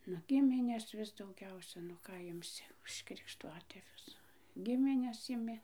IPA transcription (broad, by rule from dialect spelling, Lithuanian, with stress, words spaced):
nʊ ˈɡʲɪmʲɪnʲɛs ˈʋʲɪs dɐʊˈɡʲɛʊsʲɛ nʊ ˈkɑː ɪmʲˈsʲɪ ʊʃ krʲɪkʃˈtʊɐtʲeːʋʲʊs ˈɡʲɪmʲɪnʲɛs ɪˈmʲɪ